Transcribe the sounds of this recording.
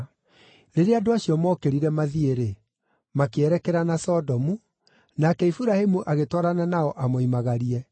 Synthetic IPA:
ɾeɾeadoaɕiɔmɔːkeɾiɾɛmaðieɾe | makeɛɾɛkɛɾanasɔdɔmu | nakɛifuɾahemuʔaɣetɔɾananaɔʔamoimaɣaɾiɛ

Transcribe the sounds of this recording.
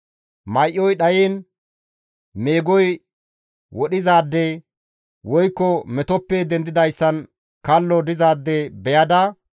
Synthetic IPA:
mɐjʔːɔjɗɐjeːn | meːɡɔj | wɔɗɪzaːd̪ːɛ | wɔjkːɔmɛt̪ɔpːed̪ɛnd̪ɪd̪ɐjsːɐn | kɐlːɔd̪ɪzaːd̪ːɛbɛjɐd̪ɐ

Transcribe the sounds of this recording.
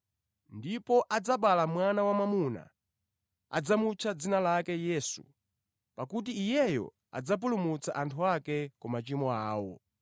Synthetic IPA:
ndipɔʔad͡zaɓalamwanawamamuna̰ | a̰d͡zamut͡ʃʰad͡zinalakɛjɛːsṵ | pakut̬iːjɛjɔ̰ | a̰d͡zap̬ulumut͡saʔantʰuakɛkɔmat͡ʃimɔaːwɔ̰

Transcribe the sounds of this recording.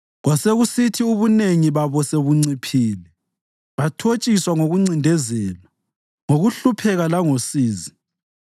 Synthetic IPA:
ɣwaseɣusitʰiuβuneŋiβaβɔseβuŋ͡ǀipʰiːlɛ | βatʰot͡ʃʼiswaŋoɣuŋ͡ǀindʱɛzɛːla | ŋoɣuɬupʰɛɣalaŋosiːzi

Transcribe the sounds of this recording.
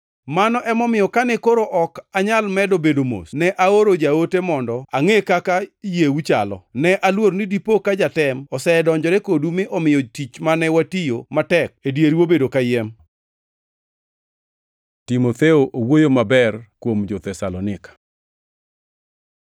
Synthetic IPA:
manɔʔɛmɔmɪjɔkanɛkoɾoʔɔkaɲalmɛdobedomo̰snɛʔaoɾod͡ʒaotemɔndɔaŋekakajewut͡ʃalɔ̰nɛʔalwoɾnidipokad͡ʒatɛmɔsɛdɔɲd͡ʒɔɾekodumɪʔɔmɪjɔtit͡ʃmanɛwatijomatɛk̚edjeɾiwobedokajɛm | timot̪eoʔowojomabɛrkwomd͡ʒɔt̪ɛsalɔnɪkḁ

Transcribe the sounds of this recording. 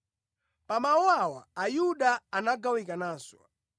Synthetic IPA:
pamawawaajuɗaːnaɡawikanaːswa̰

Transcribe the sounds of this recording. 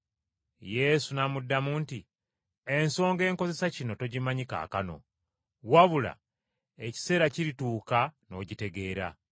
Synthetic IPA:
je̞sunamudːamuːnti | enso̞ːŋɡe̞ːŋko̞ze̞sacino̞to̞ɟimaɲika̰ːkano̞̰ | waβula̰ | eci̥se̞ːɾaciɾituːkano̞ɟite̞ɡe̞ːɾa̰

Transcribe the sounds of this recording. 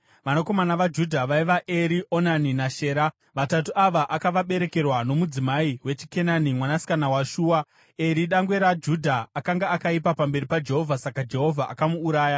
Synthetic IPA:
ʋanoko̞manaʋad͡ʒudʱaʋaiʋaʔe̞ɾiʔo̞naninaʃe̞ːɾa | ʋatatuaʋaʔakaʋaɓe̞ɾe̞ke̞rwano̞mud͡zimaiwe̞t͡ʃi̥ke̞nanimwanasi̥kanawaʃuːwa | e̞ɾiɗaŋɡwe̞ɾad͡ʒudʱaːkaŋɡaakaipapambe̞ɾipad͡ʒe̞ɦo̞vʱasakad͡ʒe̞ɦo̞vʱaʔa̰kamuːɾaːja

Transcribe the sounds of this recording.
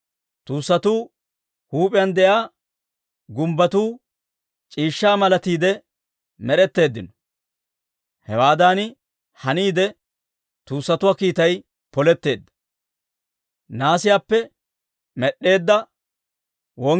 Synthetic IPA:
t̪uːsːɐt̪uː | huːpʼɪjɐnd̪ɛʔaː | ɡʊmbɐt̪uː | t͡ʃʼiːʃːaːmɐlɐt̪iːd̪ɛ | mɛɾɛt̪ːe̞ːd̪ːɪnɔ | hɛwaːd̪aːnɪ | hɐniːd̪ɛ | t̪uːsːɐt̪ʊwaːkiːt̪ɐj | pɔlɛt̪ːe̞ːd̪ːɐ̥ | naːsɪjaːpːɛ | mɛɗːe̞ːd̪ːɐ | wɔŋ

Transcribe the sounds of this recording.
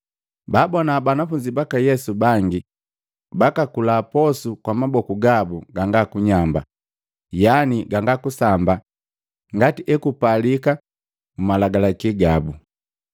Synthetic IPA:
babɔnabanafuɲd͡ʒibakajɛsubaŋɡi | bakakulaːpɔsukwamabɔkuɡabuɡaŋɡakuɲamba | janiɡaŋɡakusamba | ŋɡatiʔɛkupalika | mumalaɡalakiɡabu

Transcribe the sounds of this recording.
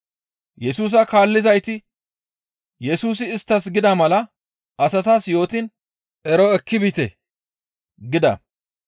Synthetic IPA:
jɛsuːs̬ɐkaːlːɪzɐjt̪ɪ | jɛsuːs̬ɪːst̪ːɐsɡɪd̪ɐmɐlɐ | ʔɐsɐt̪aːsjo̞ːt̪ɪn | ɛɾɔɛkːɪbit̪ɛ | ɡɪd̪ɐ̰

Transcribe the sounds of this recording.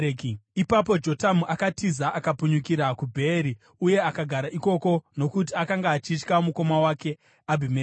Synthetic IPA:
ipapo̞d͡ʒo̞tamuʔakatizaʔakapuɲukiɾakubʱe̞ɾi | uje̞akaɡʱaɾaʔiko̞ko̞no̞kutiakaŋɡaːt͡ʃit͡ʃkamuko̞mawaːke̞ | abʱime

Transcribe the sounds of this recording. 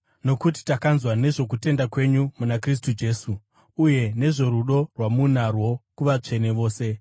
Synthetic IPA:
no̞kut̬i̥takanzwane̞ʐo̞k̬ute̞ndakwe̞ɲumunakris̬tud͡ʒe̞ːsuː | je̞ne̞ʐo̞ɾuɗo̞rwamunarwo̞kuʋat͡ʂe̞ne̞ʋo̞ːse̞

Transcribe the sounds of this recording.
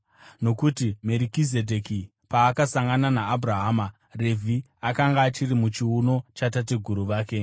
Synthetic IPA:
no̞kutime̞ɾikize̞dʱeki | paːkasaŋɡananaːbʱuɾaɦaːma | re̞vʱi | akaŋɡaːt͡ʃiɾimut͡ʃiuno̞t͡ʃatateɡʱuɾuʋaːke̞

